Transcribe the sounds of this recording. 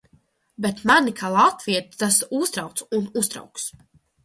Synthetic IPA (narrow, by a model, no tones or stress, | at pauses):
bɛt̪manikʰalˠat̪viɛt̪t̪asust̪ɾawk̪sunust̪ɾa̰wks